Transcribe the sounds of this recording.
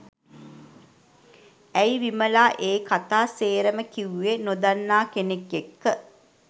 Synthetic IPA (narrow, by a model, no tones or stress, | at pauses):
æjʋiməlaːʔeːkat̪aːseːɾəməkiwenod̪anːaːkenekːekːə